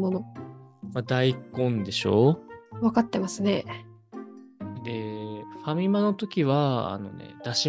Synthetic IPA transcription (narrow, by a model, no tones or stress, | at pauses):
monomad̪aikõ̞nd̪e̞ɕo̞̰βakat̪ːe̞masɨne̞ | d̪e̞ɸamʲimano̞t̪o̞kʲiβaa̰no̞̰nḛd̪aɕi